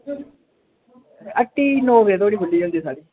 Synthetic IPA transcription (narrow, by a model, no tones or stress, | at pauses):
əʈːiːnoːʋeːt̪oːɽiːɦʊlːiːɦõːnd̪iːsaːɽiː